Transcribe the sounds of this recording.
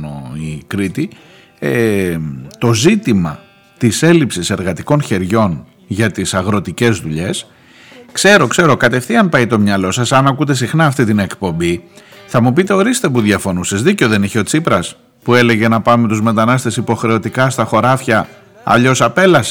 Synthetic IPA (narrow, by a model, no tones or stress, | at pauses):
o̰ikɾit̪i | e | t̪o̞zit̪imɐ̰ | t̪ise̞lipsise̞ɾɣɐt̪iko̞nçe̞ɾʝo̞n | ʝɐt̪isɐɣɾo̞t̪ice̞zðuʎe̞s | kse̞ɾo̞kse̞ɾo̞kɐt̪e̞fθiɐmpɐjt̪o̞mɲɐlo̞sɐsɐnɐkut̪e̞sixnɐːft̪it̪ine̞kpo̞mbiθɐmupit̪e̞o̞ɾist̪e̞puðʝɐfo̞nusezðiceoðe̞niçeo̞t͡sipɾɐs | pue̞le̞ɣʝe̞nɐpɐme̞t̪uzme̞t̪ɐnɐst̪e̞sipo̞xɾe̞o̞t̪ikɐst̪ɐxo̞ɾɐfçɐ | ɐ̰ʎo̞sɐpe̞lɐs